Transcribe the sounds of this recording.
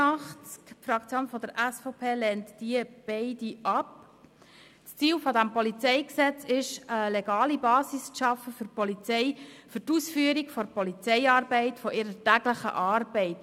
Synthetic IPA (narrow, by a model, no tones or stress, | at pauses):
ɑχt͡skfɾɑkt͡sjoːnfɔd̥̪əɾʔæsfɔʊpʰeːlɛntd̥iəb̥ɛɪdiʔɑp̚ | t͡st͡siːlfɔdæmpɔlit͡sɛɪksɛt͡sɪʃəleɡɑːlibɑːsisʃɑfəfʏɾpɔlit͡sɛɪfʏtuːsfyːəɾikfɔɾpɔlit͡sɛɪɑːɾbɛɪtfɔʔɪɾətæɡləχə̰ʔɑːrbɛɪt